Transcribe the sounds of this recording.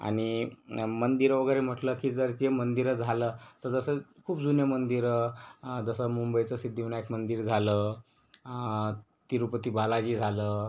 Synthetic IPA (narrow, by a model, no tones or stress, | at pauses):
a̰ɽ̃imənd̪iɾəʋəɡəɾem̤əʈləkiːd͡zəɾd͡ʑemənd̪iɾəd͡zʱalət̪əɾd͡zəsəkʰuːpd͡zunjəmənd̪iɾ | d͡zəsəmumbəjt͡səsid̪ʱːiʋinaekmənd̪iːɾd͡zʱaləː | t̪iɾupət̪iːbalad͡ʑid͡zʱalə